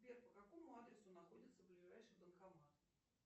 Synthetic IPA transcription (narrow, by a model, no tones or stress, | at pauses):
bʲɛrpəkakomʊad̪ɾʲɛsʊnaxodʲɪt̪sːəvblʲiʐajʂɨd̪ənkamat̪